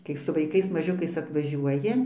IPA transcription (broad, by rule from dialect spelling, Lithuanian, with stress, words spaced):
kɐɪ sʊ ʋɐɪˈkɐɪs mɐˈʒʲʊkɐɪs ɐtʋɐˈʒʲuɔjɪ